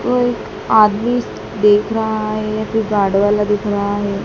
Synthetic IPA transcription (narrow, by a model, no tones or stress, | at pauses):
t̪oek | ad̪miːs | d̪ekʰɾaːɦeap̪iɡaɽʋalad̪ekʰɾaːɦe